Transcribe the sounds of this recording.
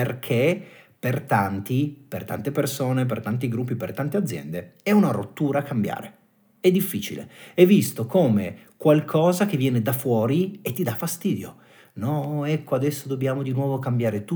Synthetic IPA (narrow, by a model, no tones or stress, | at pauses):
perkʰepert̪ant̪ipert̪a̰nt̪epersoːnep̬ert̪ant̪̬iɡɾup̬ːipert̪ant̪ead̪zjɛ̰nd̪eɛunarot̪ːuːɾaːkambja̰ːɾe | ɛd̪ːifːiːt͡ʃḭlḛɛvːist̪okoːmekwalkʰɔːzak̟evːjɛːned̪afwɔːɾiet̪ːid̪afast̪iːd̪jo̰ | nɔɛkːoad̪ɛsːod̪obːjaːmod̪inwɔːvokambjaːɾet̪u